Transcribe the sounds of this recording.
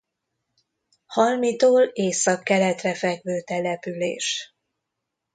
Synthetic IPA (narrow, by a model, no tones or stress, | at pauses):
hɒlmit̪oːleːsɒkːɛlɛt̪rɛfɛɡvøːt̪ɛlɛpylḛːʃ